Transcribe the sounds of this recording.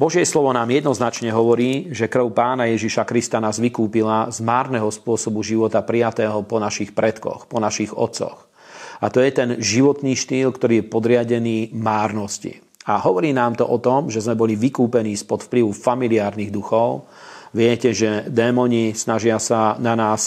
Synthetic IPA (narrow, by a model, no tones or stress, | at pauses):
bɔʒjɛslɔʋɔnaːmjɛd̪nɔznat͡ʃɲɛɦɔʋɔɾiːʒɛkr̩ʊpaːnajɛʒiʃakɾist̪anaːzʋikuːpilazmaːɾnɛɦɔspʊɔsɔbuʒiʋɔt̪apɾijat̪ɛːɦɔpɔnaʃixpɾɛt̪kɔ̰xpɔnaʃiɣɔ̰t̪sɔ̰x | at̪ɔjɛt̪ɛnʒiʋɔt̪niːʃt̪iːlkt̪ɔɾiːjɛpɔd̪ɾɪaɟɛniːmaːɾnɔscḭ | aɦɔʋɔɾiːnaːmt̪ɔʔɔt̪ɔmʒɛzmɛbɔliʋikuːpɛniːspɔt̪fpliʋufamiliaːɾniɣd̪uxɔʊ | ʋɪɛcɛʒɛd̪ɛːmɔɲisnaʒɪasananaːs